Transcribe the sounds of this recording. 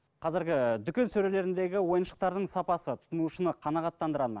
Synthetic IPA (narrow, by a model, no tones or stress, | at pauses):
qʰɑzɪɾɡʲɪd̪ʏkʲe̞nsɵɾe̞le̞ɾɪnd̪e̞ɡʲɪwo̞jənʃə̥q̚t̪ɑɾd̪əɴsɑpɑsət̪ʰʊ̥t̪ənuʃənəqʰɑnɑʁɑt̪ːɑnd̪əɾɑlˠmɑ̰n